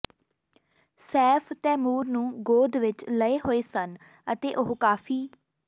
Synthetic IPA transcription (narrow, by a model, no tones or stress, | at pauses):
sɛːpʰt̪ɛːmuːɾnũːɡoːd̪ʋɪt͡ʃləeːɦoːeːsən | ət̪eːʔoɦkaːpʰiː